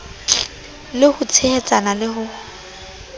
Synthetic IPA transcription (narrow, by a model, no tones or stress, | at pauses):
lɪhʊt͡sʰehɛt͡sʼanalɪhʊ